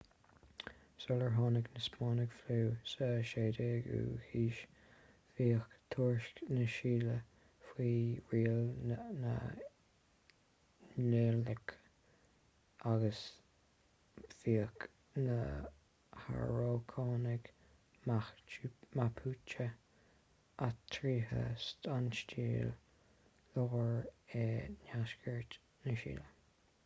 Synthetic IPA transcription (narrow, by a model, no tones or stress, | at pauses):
soləɹɦɑːnɪɡnəspɑːnɪɡfluːsəʃeːd̪eːɡṵhiːʃ | fiːəkt̪ʰuːɹʃknəʃiːlə | fwiːɹiːəlnə̰ | neːlək | aɡəs | pθiːək | nə | ha̰ɹoːkʰɑːnɪɡ | ma | mapʰuːt͡ʃə | at̪ʰɾiːɦə̰st̪ʰanʃtiːl | loɣəɹenaʃkʰəɹt | nəʃḭːlə